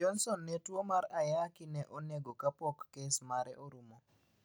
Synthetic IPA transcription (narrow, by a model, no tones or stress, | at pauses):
ɔnsɔnːɛtwomaɾajakinɛʔoneɡokapɔkːesmaɾɛʔoɾumo